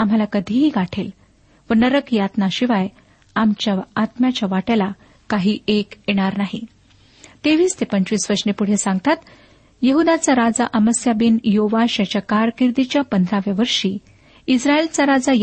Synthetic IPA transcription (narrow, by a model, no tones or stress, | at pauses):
am̤alakəd̪ʱiɦiːɡaʈʰel | ʋənəɾəkjat̪naɕiʋaj | amt͡ɕjaat̪mjat͡ɕaʋaʈala | kaɦiːekjeɽ̃aɾnaɦi | t̪eʋiːst̪epəɲt͡ɕʋiːsʋəɾɕnepuɽ̤esãŋɡt̪at̪ | jəɦud̪at͡saɾad͡zaʔəməsjabinjoʋaɕjat͡ɕjakaɾkiɾd̪it͡ɕjapənd̪ʱɾaʋjaʋəɾʂiː | isɾaelt͡saɾad͡zaj